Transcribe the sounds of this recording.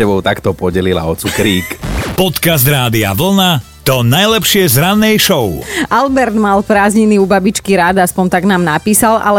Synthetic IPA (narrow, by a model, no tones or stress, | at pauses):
ɛbɔʊt̪akt̪ɔpɔɟɛlila̰ɔt͡sukɾiːkpɔt̪kazd̪ɾaːd̪ia̰ʋl̩na | t̪ɔnajlɛpʃɪɛzɾanːɛjʃɔʊʔalbɛɾd̪malpɾaːzɲiniubabit͡ʃkiɾad̪aspɔnt̪aɡnaːmnapiːsala̰lɛ